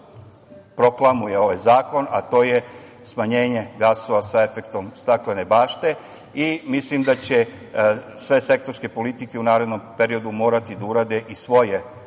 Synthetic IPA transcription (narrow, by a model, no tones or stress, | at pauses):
pɾo̞klˠamujeo̞ʋajzaːko̞nat̪o̞ːje | smaɲe̞ːɲe̞ɡaso̞ʋasae̞fekt̪o̞mst̪aklene̞baːʃt̪e̞ | imislimd̪at͡ɕe̞ | sʋe̞se̞k̚t̪o̞ɾske̞po̞lit̪ike̞unaːɾed̪no̞mpe̞ɾio̞d̪umo̞ːɾat̪id̪auɾad̪e̞ʔisʋo̞je